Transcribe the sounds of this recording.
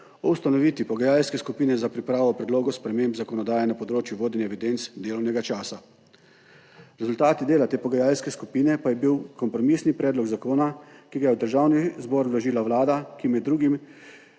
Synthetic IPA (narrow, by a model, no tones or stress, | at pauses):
ɔwst̪anɔʋit̪ʋipɔɡajalskɛskupiːnɛzapɾipɾaːʋɔpɾɛd̪loːɡɔspɾɛmẽːmbzakɔnɔd̪aːjɛnapɔd̪ɾoːt͡ʃjuʋoːd̪ɛnɛʋid̪ent̪sd̪eːlɔwnɛɡat͡ʃaːsa | ɾɛzult̪aːt̪id̪eːlat̪eːpɔɡajalskɛskupiːnɛpajɛbiwkɔmpɾɔmisnipɾɛːd̪lɔɡzakoːnakiɡajɛwd̪əɾʒawnizbɔːɾwlɔʒiːlaʋlaːd̪akimɛd̪ːɾuːɡim